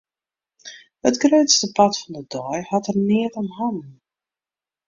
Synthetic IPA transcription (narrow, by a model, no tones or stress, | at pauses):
hətɡrøɥtstəpɑtfɔndədɔjhɑtərnɪətɔnɦɔnən